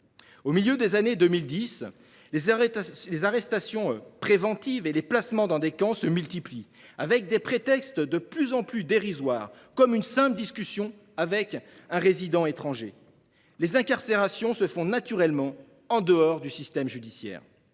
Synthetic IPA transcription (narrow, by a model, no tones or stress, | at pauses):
omiljød̪ezaned̪ømild̪is | lezaʁɛst̪asjɔ̃pχevɑ̃t̪iveleplasmɑ̃d̪ɑ̃d̪ekɑ̃səmylt̪ipli | avɛk̚d̪epχet̪ɛkst̪d̪əplyzɑ̃plyd̪eʁizwaːʁkɔmynsɛ̃pld̪iskʲysjɔ̃ | avɛk | ɛ̃ʁezid̪ɑ̃et̪χɑ̃ʒe | lezɛ̃kaʁseʁasjɔ̃səfɔ̃nat̪yʁɛlmɑ̃ | ɑ̃d̪əɔʁd̪ysist̪ɛmʒyd̪isjɛ̰ːʁ